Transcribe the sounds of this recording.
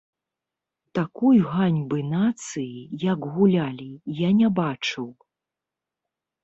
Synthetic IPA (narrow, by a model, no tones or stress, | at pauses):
t̪akujɣanʲbɨnat̪sɨjijaɡɣulʲalʲijanʲabat͡ʂɨw